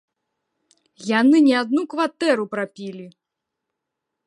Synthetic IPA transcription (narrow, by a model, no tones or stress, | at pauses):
janɨnʲɛad̪nukvat̪ɛɾupɾapʲilʲi